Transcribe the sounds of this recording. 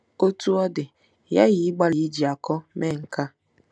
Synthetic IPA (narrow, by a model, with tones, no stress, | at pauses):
o˦tu˦ɔ˦dɪ˨ | ja̰˦ɣɪ˨˦ɡ͡ba˦li˨˦d͡ʒi˨a˨kɔ˦me˦˨ŋ̩˨ka˦